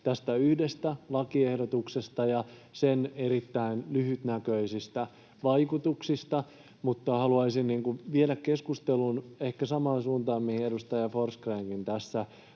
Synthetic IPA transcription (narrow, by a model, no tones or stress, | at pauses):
t̪æst̪æyhdest̪ælɑkiehdot̪uksest̪ɑjɑseneɾit̪ːæinlyhyt̪nækøisist̪æ | ʋɑikut̪uksist̪ɑ | mut̪ːɑhɑluɑisinniːŋkuʋielækkeskust̪elunehkæsɑmɑːnsuːnt̪ɑːmihiedust̪ɑjɑforskreːŋkint̪æsːæ